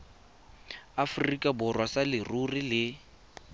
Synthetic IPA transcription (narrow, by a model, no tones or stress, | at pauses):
afʊrikʼabʊrwasalɪrurilɪ